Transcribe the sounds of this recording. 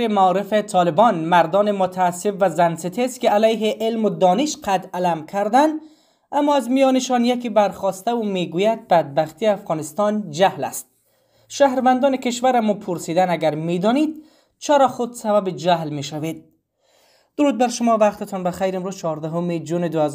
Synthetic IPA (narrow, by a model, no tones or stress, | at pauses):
emaɔɾɪfet̪ʰɒlɪbɔnmaɾd̪ɒːnemʊt̪ʰaːsːɪfvazansɪt̪ʰest̪̚kealajɦeʔɪlmʊd̪ɒːnɪʃqʰat̪alamkʰaɾd̪and̪ | amːɔazmijɒneʃɔnjakibaɾχɒst̪aumeɡujad̪̚bad̪̚baxt̪ijafɣɒːnɪst̪ɒnd͡ʒahla̰st̪̚ | ʃahɾvand̪ɒːnekeʃvaɾamɔpʰʊɾsid̪anaɡaɾmed̪ɒnid̪̚ | t͡ʃʰæɾɒxʊd̪sababed͡ʒahlmeʃaved̪̚ | d̪̥ʊɾuːd̪̚baɾʃʊmɔvaqt̪et̪ʰɔnbaxajɾemɾuzt͡ʃʰɒɾd̪aɦʊmed͡ʒuned̪ʊhaz